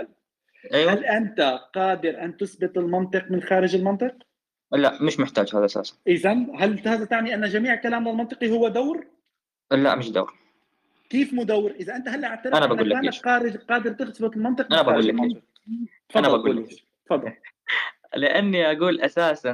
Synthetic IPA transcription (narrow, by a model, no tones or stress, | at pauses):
al | ʔeːwhalʔant̪aqɑːd̪ɪɾʔant̪ʊsbɪt̪ˤɪlmɑnt̪ˤɨqmɪnxaːɾɪd͡ʒɪlmɑnt̪ˤɨq̚ | laʔmɪʃmɪħt̪aːd͡ʒhaːðaʔasa̰ːsḁnʔɪzanɦalt̪haːzat̪aʕniʔanːad͡ʒamiːʕkalaːmlɪlmɑnt̪ˤɨ̥qihʊwːad̪awɾ | la̰ʔmɪʃd̪a̰wɾ | kiːfmʊd̪awːɾʔɪzaʔɪnt̪ahalːʔaʕt̪ɑɾanabaɡuːlːaaːaqaːɾɪd͡ʒqɑːd̪ɪɾt̪ɪsbɪt̪ˤɪlmɑnt̪ˤɨqanabaɡuːla | fɑanabaɡɡuːlː | fɑd̪ˤːl | lɪʔanːiʔaɡuːlʔasaːsan